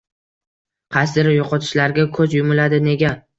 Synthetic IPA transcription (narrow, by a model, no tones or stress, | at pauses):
qʰɑsd̪ɪɾɪjɒqʰɒt̪ʰɪ̥ʃlaɾɡʲakʰɵzjʊmʊlad̪ɪne̞ɡʲa